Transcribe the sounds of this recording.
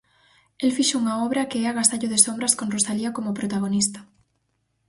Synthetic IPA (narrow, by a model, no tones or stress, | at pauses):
elfiʃouŋaɔβɾɐkeɛaɣast̪aʎoðesombɾɐskõnrosaliakomopɾot̪aɣ̞onist̪ḁ